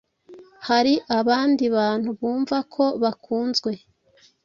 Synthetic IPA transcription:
haɾiʔaβaːndiβaːn̥huβuːɱvakʰo̞βakʰuːnzɡwe̞

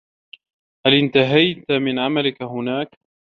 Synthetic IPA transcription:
halɪnt̪aɦajt̪amɪnʕamalɪkaɦʊnaːk

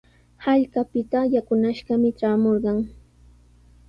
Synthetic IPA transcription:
haʎkapɪt̪ajakʊnaʃɢɑmɪt͡ʃaːmoɾɢɑŋ

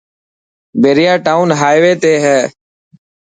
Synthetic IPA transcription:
beːɾɪjaːʈaːuːnɦaːjʋeːt̪eːɦɛː

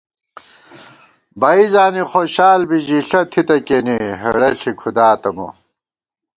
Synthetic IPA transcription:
bɐizaːniχoːɕaːlbid͡ʑiɬɐt̪ʰit̪ɐkeːniɦɐɽɐɬikʰud̪aːt̪ɐmo̰

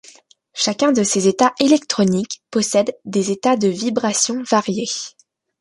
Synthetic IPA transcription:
ʃakʲɛ̃d̪əsezet̪aʔelɛk̚t̪χɔnikpɔsɛd̪ːezet̪ad̪əvibʁasjɔ̃vaʁje

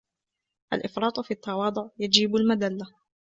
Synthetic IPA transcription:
ʔa̰lʔɪfɾˤɑːt̪ˤfiːʔɑt̪ːɑwɑːd̪ˤʊʕjad͡ʒiːbalmad̪alːa

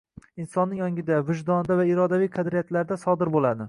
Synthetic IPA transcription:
ɪnsɒnːɪŋjɒŋʲɪd̪avɪʒd̪ɒnd̪avaɪɾɒd̪avijqʰɑd̪ɾijat̪laɾd̪asɒd̪ɪɾbolˠad̪ɪ

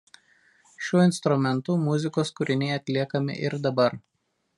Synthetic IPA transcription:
ʃʲuɔɪnst̪ɾʊmʲɛnt̪ʊmʊzʲɪkoːskʊɾʲɪnʲɛɪɐt̪ʲlʲiɛkɐmʲɪ̰ʔɪɾd̪ɐbɐɾ

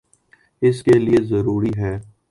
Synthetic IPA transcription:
ɪskeliezɐɾuːɾiɦɛː

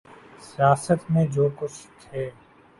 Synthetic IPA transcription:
sijaːsət̪mẽd͡ʒoːkʊt͡ʃʰt̪ʰeː

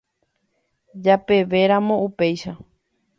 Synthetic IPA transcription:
d͡ʒape̞ʋe̞ɾamõ̞upe̞jʃa

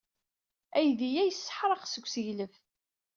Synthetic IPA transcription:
æjðijæjəsːə̥ħɾˤɑqsəɡʷsəʝləf

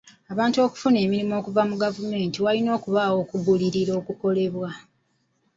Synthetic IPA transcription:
aβaːntuo̞ku̥fune̞ːmiɾimo̞ːkuvamuɡavume̞ːntiwalino̞ːkuβawo̞ːkuɡuliɾiɾo̞ːkuko̞le̞βwa

